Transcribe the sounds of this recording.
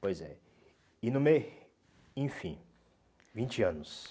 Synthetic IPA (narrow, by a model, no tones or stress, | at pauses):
pojzɛ̰ | ɪnʊmej | ẽj̃fĩ | vĩt͡ʃɪɐ̃nʊs